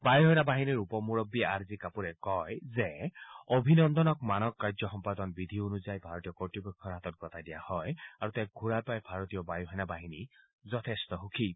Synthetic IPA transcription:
bajɦɔjnabaɦiniɹupɔmuɹɔbːiaɹzikapuɹɛkɔjzɛobʱinɔnd̪ɔnɔkmanɔkːaɹzɔxɔmpad̪ɔnbid̪ʱionuzajbʱaɹɔt̪ijɔkɔɹtibekʰːɔɹɦat̪ɔt̚ɡɔt̪ʰadija̰hɔjaɹut̪ak̚ɡʱuɹajpajbʱaɹɔt̪ijɔbajuɦɔjnabaɦini | zɔt̪ʰest̪ɔxukʰi

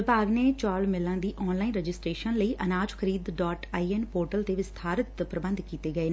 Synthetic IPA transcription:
ɪbaːɡneːt͡ʃaːlmɪlãːd̪iːʔɔːnlaːinɾəd͡ʒɪsʈɾeːʃənləiːʔənaːd͡ʒkʰəɾiːd̪ɖɔːʈaːiːenpoːɾʈəlt̪eːʋɪst̪ʰaːɾət̪pɾəbə̃nd̪kiːt̪eːɡəeː

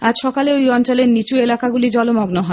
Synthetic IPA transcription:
ad͡ʑʃɔkaleojɔnt͡ɕoleɾnit͡ɕuelakaɡulid͡ʑɔlomɔɡnoɦɔe

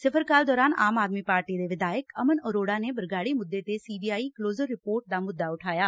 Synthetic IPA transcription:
sɪpʰəɾkaːld̪ɔːɾaːna̰ːmaːd̪miːpaːɾʈiːd̪eːʋɪd̪aːjəkəmənəɾoːɽaːneːbəɾɡaːɽiːmʊd̪ːeːt̪eːsiːbiːaːiːkloːzəɾːɪpoːɾʈ̚d̪aːmʊd̪ːaːʊʈʰaːjaː

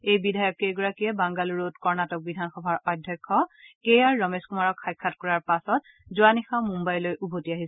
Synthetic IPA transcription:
ejbidʱajɔkːejɡɔɹakijɛbaŋɡaluɹotkɔɹnatɔk̚bidʱanxɔbʱaɹɔdʱjɔkʰːɔkejaɹːɔmeskumaɹɔkʰxajkʰːatkɔɹaɹpasɔt̚ | zʊanixamumbajlojʔubʱotiaɦisɛ

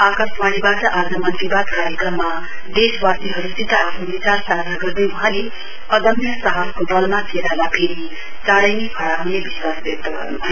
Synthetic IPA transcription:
akʌsmaɽibaʈʌʔad͡zʌmant̪ibad̪kaɾjʌkrʌmːa | d̪eswast̪iɦʌɾusit̪ʌapʰnobit͡sarsad̪ʱaɡʌrd̪ʌjuɦãle | ʌd̪ʌmjʌsʌɦʌlkod̪ʌlmakʰeɾalapʰeɾi | t͡saɽʌjnepʰʌɽaɦunebiswasbek̚t̪ʌɡʌ̰rn

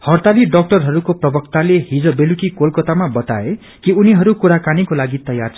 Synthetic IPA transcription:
hʌrt̪aliɖʌk̚ʈʌrɦʌɾukoprʌbʌk̚t̪alehid͡zʌbelukikolkʌt̪amabʌt̪ae | kiuniɦʌɾukuɾakanikolaɡit̪ʌja̰rt͡sʰ

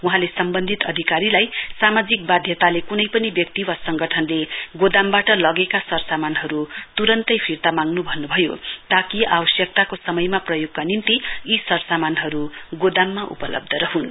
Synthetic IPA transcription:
wuɦãlesʌmbʌnd̪ʱit̪ʌd̪ʱikaɾilajsamad͡zik̚bad̪ʱjʌt̪alekunʌjpʌnibjʌk̚t̪iwasʌŋɡʌʈʰʌnleɡod̪ambaʈʌlʌɡekasʌrsamanɦʌɾut̪uɾʌnt̪ʌjpʰirt̪amaŋɡnubʱʌnːubʱʌjo̰t̪akia̰wʌsjʌk̚t̪akosʌmʌjmaprʌjoɡkanint̪iisʌɾsamanɦʌɾuɡod̪amːaʔṵpʌlʌ̰b̚d̪ʱʌɾʌɦun

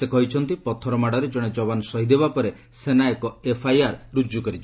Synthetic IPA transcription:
sekɔɦit͡ʃʰɔnt̪ipɔt̪ʰɔɾɔmaɽɔɾed͡ʒɔɽ̃ed͡ʒɔbanɔsɔɦid̪ebapɔɾe | senaekɔepʰajaɾɾud͡ʒukɔɾit͡ʃʰɔ

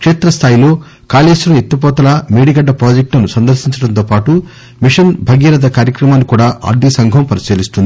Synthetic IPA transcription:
kʂeːt̪ɾɐst̪ʰaːjilo̞ː | kaːleːʂlɐet̪ːup̬ɔːt̪ɐlɐmeːɽiɡɐɖːɐpɾaːd͡ʒek̚ʈlɐnusɐnd̪ɐɾsiɲt͡ʃɐɽɐnt̪oːpaːʈu | miʂɐnbʱɐɡɐɾɐd̪ɐkaːɾjɐkɾɐmaːnːikuːɽaːʔɐ̰ːɾd̪ʱisɐŋɡʱɐmpɐɾiseːlist̪und̪i

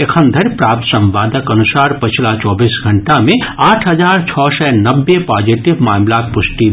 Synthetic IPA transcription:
ekʰə̃nd̪ʱəɾpɾaːp̚t̪sɐ̃mʋaːd̪əkɐnusaːɾpət͡ʃʰlat͡ʃɔːbiːsɡʱɐɳʈamẽaːʈʰɦɐd͡ʒaːɾt͡ʃʰɔːsɛnɐbːepaːd͡ʒiʈɪbmaːmlaːk̪̚pʊsʈi

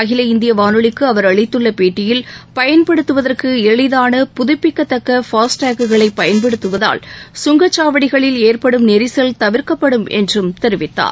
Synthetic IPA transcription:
ɐɣɪlɐɪnd̪ɪjɐʋaːnɯɭɪkːɯɐʋɐɾɐɭɪt̪ːɯɭːɐpeːʈːɪjɪlpɐjɐnpɐɽɯt̪ːɯʋɐðɐrkɯɛɻɪðaːnɐpʊðʊpːɪkːɐt̪ːɐkːɐfaːsʈaːkɯɣɐɭɐɪpːɐjɐnpɛɽɯt̪ːɯʋɐða̰ːlsʊŋɡɐt͡ʃːaːʋɐɽɪɣɐɭɪleːrpɐɽɯmnɛɾɪsɐlt̪ɐʋɪɾkɐpːɐɽɯmɛ̰ndrɯmt̪ɛɾɯʋɪt̪ːa̰ːɾ

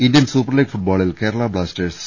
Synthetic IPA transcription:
indijɐnsuːpːɐɾliːɡfuʈ̚baːɭilkeːɾɐɭaːbɭaːsʈeɾs

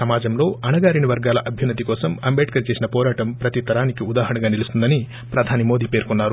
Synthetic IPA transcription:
sɐmaːd͡ʒɐmlo̞ːʔɐnɐɡaːɾiniʋɐɾɡaːlɐʔɐbʱjɐnːɐt̪ikɔːsɐmɐmbeːɖ̚kɐɾt͡ʃe̞ːsinɐpɔːɾaːʈɐmpɾɐt̪it̪ɐɾaːnikiud̪aːɦɐɳɐɡaːnilust̪und̪ɐni | pɾɐd̪ʱaːnimoːd̪iːpe̞ːɾkunːaːɾu

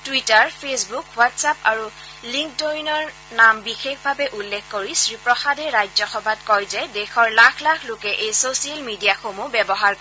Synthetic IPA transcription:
twitaɹpʰesbukwatsapa̰ɹu | liŋktojnɔɹ | nambixexbʱabɛʔulːekʰːoɹisɹipɹɔxadɛɹajzɔxɔbʱatkɔjzɛdɛxɔɹlakʰlakʰlokɛʔejsosialmidijaxomubɛbɔɦaɹk

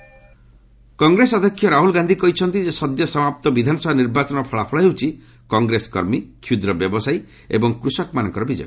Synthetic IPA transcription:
kɔŋɡɾesɔd̪ʱɔkʰːjɔɾaɦulɡand̪ʱikɔɦit͡ʃʰɔnt̪id͡ʒesɔd̪jɔsɔmap̚t̪ɔbid̪ʱanɔsɔbʱaniɾbat͡ʃɔnɔpʰɔɭapʰɔɭaɦewt͡ʃʰi | kɔŋɡɾesɔ̥kɔɾmikʰjud̪ɾɔbjɔbɔsaj | ḛbɔŋkɾusɔkmanɔŋkɔɾɔbid͡ʒɔ̰j

